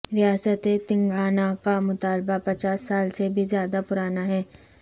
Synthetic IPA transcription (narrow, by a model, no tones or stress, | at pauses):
ɾɪjaːsət̪et̪ɪ̃ŋɡaːnakamʊt̪aːlbapɐt͡ʃaːsːaːlsebʱizjaːd̪apʊɾaːnaɦɛː